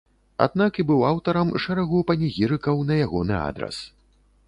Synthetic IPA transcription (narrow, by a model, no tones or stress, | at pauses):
a̰d̪̚nakibɨwawt̪ɐɾɐmʂɛɾaɣupɐnʲiɣʲiɾɨkɐwnɐjaɣɔnɨa̰d̪ɾɐ̰s